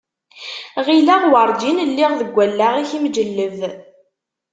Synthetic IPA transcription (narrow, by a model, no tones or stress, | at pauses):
ʁilæʁwɑɾˤd͡ʒinlːiʁðəɡʷːælːæʁiçimd͡ʒəlːəv